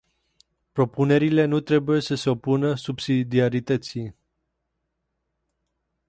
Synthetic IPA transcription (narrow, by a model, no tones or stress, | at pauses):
pɾo̞pune̞ɾile̞nut̪ɾe̞buje̞səse̞o̞punəsubsid̪iaɾit̪ət̪si